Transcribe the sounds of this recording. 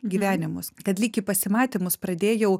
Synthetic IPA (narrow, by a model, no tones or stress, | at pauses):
ɡʲiːʋʲæːnʲɪmʊskɐt̪lʲiːkʲipɐsʲɪmɑːt̪ʲɪmʊspɾɐd̪ʲeːjɛʊ